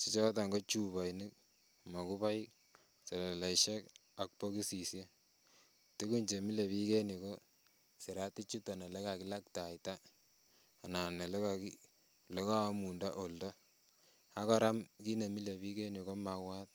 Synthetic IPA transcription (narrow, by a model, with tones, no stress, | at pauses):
si˨t͡ʃɔ˦ta˨ŋɡo˦t͡ʃu˦βa˨jni˦k̚ | ma˨ku˦pa˦jk | se˨le˨la˨ʃe˦k | a˨k̚po˦ki˦si˨sje˦ | ti˦ku˦ɲt͡ʃe˨mi˦le˨βi˦ke˦ni˨ko˦ | si˨ɾa˦ti˦t͡ʃu˦ta˨ne˨le˦ka˨ki˦la˦k̚ta˨jtaː˦˨ | na˨ne˨le˦kaki | le˦ka˦mu˨nda˦ʔo˨lda˦ | a˦kɔ˦ɾa˦mki˦ne˨mi˦le˨bi˦ke˦ni˨ko˦ma˨wa˦t̚